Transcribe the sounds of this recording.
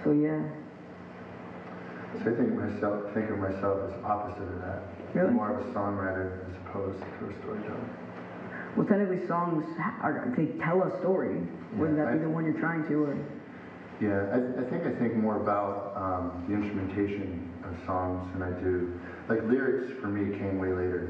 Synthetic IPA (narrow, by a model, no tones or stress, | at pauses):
soʊjæ | soʊaɪθɪ̃ŋk̚maɪsɛlˠfθɪ̃ŋkʌ̃maɪsɛlˠfɨzɑpəzɨɾʌvðæ̰t̚ | mɔɹʌvəsɔ̃ŋɹaɪɾə˞ɨzəpʰoʊz̥tʰəɨstɔ̰ɹitʰɛ̰l̃ˠ | wɛlˠθɛ̃nɨ̃wisɔ̃ŋz̥ʔə̰˞ðɨtʰɛlˠəstɔɹijwə˞ðɨtiðəwʌ̃njə˞tʰɹ̥aɪɪ̃ŋtʰɨə˞ | jæaɪaɪθɪ̃ŋkaɪθɪ̃ŋk̚mɔɹəbaʊt̚ʌ̃mðiɪ̃nstɹ̥əmɨ̃ntʰeɪʃɨ̃nʌv̥sɔ̃ŋzɨ̃naɪdʉ | laɪklɪɹɨksfə˞miɨt̚kʰẽɪ̃mweɪleɪɾə˞